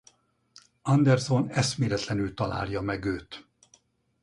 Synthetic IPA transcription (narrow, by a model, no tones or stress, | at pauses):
ɒnd̪ɛrzonɛsmeːɾɛt̪lɛnylt̪ɒla̰ːljɒmɛɡøːt̪